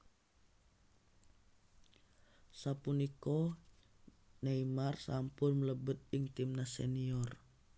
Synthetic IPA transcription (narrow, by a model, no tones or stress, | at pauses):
sapunikɔ | naimarsampʊnmələbət̪̚iŋt̪imnasɛ̰niɔr